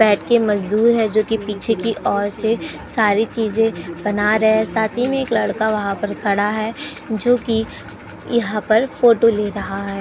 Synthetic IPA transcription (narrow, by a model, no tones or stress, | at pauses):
bɛːʈʰkemɐzd̪uːɾɦɛd͡ʒoːkipiːt͡ʃʰekiʔɔːɾse | saːɾit͡ʃiːzẽbɐnaɾɐɦeɛsaːt̪ʰimẽeːklɐɽkaʋɐɦãpɐɾkʰɐɽaɦɛː | d͡ʒoːki | jɐɦãpɐɾfoːʈoleːɾɐɦaɦɛː